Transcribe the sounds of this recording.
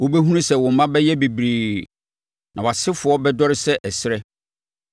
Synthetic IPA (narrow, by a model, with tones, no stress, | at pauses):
wo˦bɛ˦ɦũ˦nũ˦sɛ˨wɔ̃˨m̩˨mã˦bɛ˦jɛ˦bi˨bɾiː˨ | nã˨wa˨sɪ˦fʊ˨ɔ˦bɛ˦dɔ˦ɾɪ˦sɛ˦ʔɛ˨sɪ˦ɾɛ˦